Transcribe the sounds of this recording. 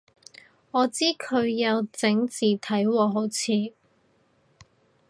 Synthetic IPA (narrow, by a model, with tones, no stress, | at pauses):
ŋɔː˨˧t͡siː˥kʰɵ˨˧ɥjɐ˨˧wt͡sɪ˨˥ŋt͡siː˨˩t̪ʰɐ˨˥jwɔː˨˧ɦo˨˥wt͡sʰiː˨˧